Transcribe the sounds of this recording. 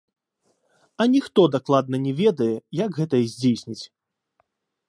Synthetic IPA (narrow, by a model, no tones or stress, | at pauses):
ɐnʲixt̪ɔd̪aklˠad̪̚nɐnʲɛvʲɛd̪ɐjɛjaɡɣɛt̪ɐjɐzʲd͡zʲejsʲnʲit͡sʲ